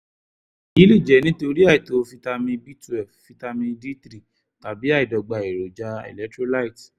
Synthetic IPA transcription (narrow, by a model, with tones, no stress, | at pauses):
i˦li˦˨d͡ʒɛ˨˦nĩ˦to˧ɾi˦a˦˨i˨to˨˧fi˦ta˧mĩ˧bi˦tu˨ɛ˨fi˧ta˧mĩ˧di˦tɾi˦˨ | ta˨bi˨˦a˦i˨dɔ˨ɡ͡ba˨i˨ɾo˨d͡ʒa˧ɛ̰˨lɛ˦tɾo˦la˦i˨t